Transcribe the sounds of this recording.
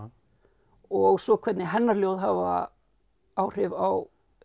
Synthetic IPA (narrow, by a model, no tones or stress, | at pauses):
ɔɣsɔkʰvɛt̪nɪɦɛnːaɾljowðɦava̰ | aːwr̥ɪvaw